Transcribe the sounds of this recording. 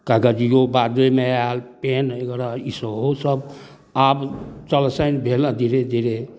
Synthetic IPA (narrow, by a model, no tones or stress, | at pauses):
kaɡəd͡ʒijobad̪emealpenekɾaisəɦosəb | abt͡ʃəlsənbʱelə̃d̪ʱiɾed̪ʱiɾe